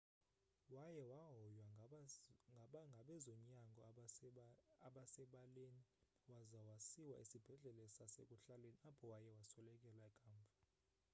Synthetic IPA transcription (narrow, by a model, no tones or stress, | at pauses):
wajɛwaɦɔjwa | ɓaŋɡʱaɓɛzɔɲaŋɡʱɔ | aɓasɛɓaleni | wazawasiwaʔisib̥ʱɛɮɛlɛsasḛkʼuɬaleniapʰɔwajɛwasɔlɛkʼɛlaɛkʼaːɱbvʱa